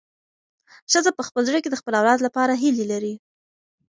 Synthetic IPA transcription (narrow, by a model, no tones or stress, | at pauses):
ʃəzapəxpəlzɽəked̪əxpəlawlɑd̪lapɑɾaɦilelaɾi